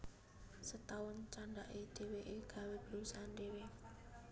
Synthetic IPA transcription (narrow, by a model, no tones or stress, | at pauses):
sət̪aʊnt͡ʃaɳɖaʔed̪̥e̤weʔeɡ̥a̤web̥lusanɖewe